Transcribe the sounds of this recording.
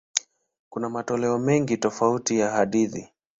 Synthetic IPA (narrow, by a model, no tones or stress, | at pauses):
kunamatɔlɛɔmɛŋɡitɔfautijahaɗiði